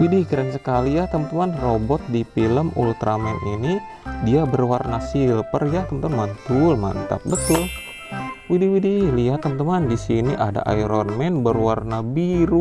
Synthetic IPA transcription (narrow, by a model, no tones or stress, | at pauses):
widikiɾəŋsəkalijat̪əmət̪əmanrobɔt̪̚dipiləmṵlt̪ɾamɛnini | diabərwarnasilpərjat̪əmət̪anmant̪ulma̰nt̪a̰p̚bət̪ʊl | widiwidilijat̪ːəmət̪əmandisiniʔada̰ʔa̰jɾɔnmɛnbərwarnabiɾu